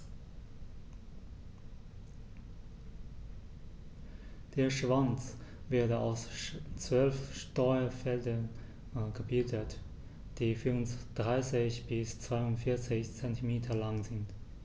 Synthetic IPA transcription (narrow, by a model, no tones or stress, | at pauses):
d̥eːɐʃv̥ant͡sveɐdəa̰ʊst͡sv̥œlfʃtɔʏɐfɛldɐn | ɡ̥əbɪldət | d̥iːfyʁnsd̥ʁaɪsɪçb̥ɪst͡sv̥aɪʊntfɪɐt͡sɪçt͡sɛntʰimeːtʰɐlaŋzɪnt